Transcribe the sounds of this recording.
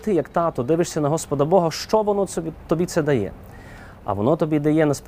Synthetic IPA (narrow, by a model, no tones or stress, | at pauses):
t̪ɪjɐkt̪ɑt̪ɔd̪ɪʋɪʃsʲɐnɐɦɔspɔd̪ɐbɔɦɐʃt͡ʃɔʋɔnɔit̪ɔbʲit̪sɛd̪ɐjɛ̰ | ɐ̰ʋɔ̰nɔt̪ɔbʲid̪ɐjɛnɐsp